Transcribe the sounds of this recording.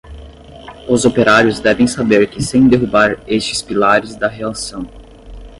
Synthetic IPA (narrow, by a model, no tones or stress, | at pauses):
ʊzopeɾaɾjʊzd̪ɛvẽj̃sabeɾkɪsẽj̃d̪eɦubaɾest͡ʃɪ̥spilaɾɪzd̪ɐɦelasɐ̃w̃